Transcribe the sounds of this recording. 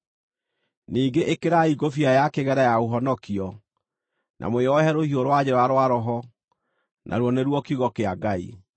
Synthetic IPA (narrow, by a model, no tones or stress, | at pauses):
niːŋɡeʔekeɾaiɡofiajakeɣɛɾajaoɦɔnɔkiɔ | nʔa̰moeɔɦɛɾohioɾwad͡ʑeɾaɾowaɾɔɦɔ | nʔa̰ɾwɔneɾwɔkiɣɔkeaɡaḭ